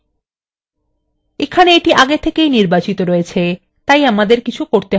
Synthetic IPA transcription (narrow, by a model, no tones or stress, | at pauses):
ekʰaneeʈiʔaɡet̪ʰːekejniɾbat͡ɕit̪oɾoet͡ɕʰe | t̪ajamad̪eɾkit͡ɕʰukoɾt̪e